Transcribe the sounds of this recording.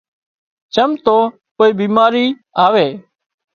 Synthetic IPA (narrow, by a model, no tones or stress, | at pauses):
t͡ʃəmt̪oː | poːiːbiːmaːɾiː | aːʋeː